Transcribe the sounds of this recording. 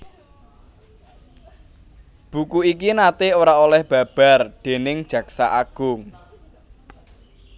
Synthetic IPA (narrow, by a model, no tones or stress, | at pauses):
b̥ṳkuikinat̪eoɾaolɛhb̥ä̤b̥a̤rɖ̪̥e̤nɪŋ̥d͡ʒʒ̥ä̤ksa̰ʔaɡ̥ʊŋ